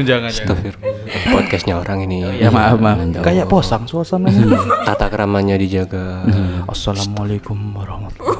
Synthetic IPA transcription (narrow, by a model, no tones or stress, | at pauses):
d͡ʒaŋast̪afɪr | pɔd̪̚kɛst̪ɲaoɾaŋiniamaafmaadkajaʔposaŋsuasamant̪at̪akəɾamaɲadid͡ʒaɡaʔasːalamalekʊmwaɾɔhmat̪